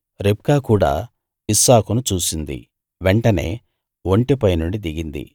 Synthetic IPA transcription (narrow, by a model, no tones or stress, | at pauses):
ɾep̚kaːkuːɽa̰ː | isaːkunut͡ʃuːsind̪ḭ | ʋeɳʈɐne̞̰ː | ʋoɳʈipɐjnuɳɖid̪iɡind̪ḭ